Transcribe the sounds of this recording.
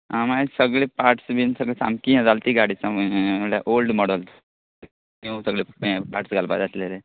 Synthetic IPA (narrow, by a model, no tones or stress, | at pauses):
amasəɡɭepaʈsbinsəɡɭesa̰mkiɛ̃d͡zalt̪iɡaɽit͡saməɽɭja̰ʔolɖmɔɽəlt̪ | ẽsəɡɭepaʈsɡalba̰d̪aslele